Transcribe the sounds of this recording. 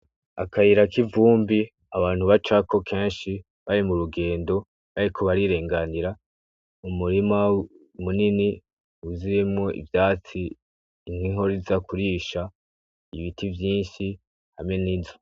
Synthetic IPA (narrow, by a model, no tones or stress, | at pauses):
a̰kʰahiɾakivuːmbi | aβaːn̥huβat͡ʃako̞kʰe̞ːnʃi | βaɾimuɾuɡe̞ːndo̞ | βaɾikʰoβaɾiɾe̞ːŋɡaniɾa | umuɾima | munini | uzijemŋo̞ʔḭvjaːt͡siː | n̥hiɦo̞ɾizakuɾiːʃa | iβitivjiːnʃi | hamŋe̞niːvo